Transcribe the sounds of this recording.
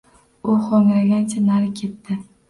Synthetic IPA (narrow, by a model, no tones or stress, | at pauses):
ʊχoŋɾaɡʲant͡ʃʰanaɾɪkʲʰe̞t̪ːɪ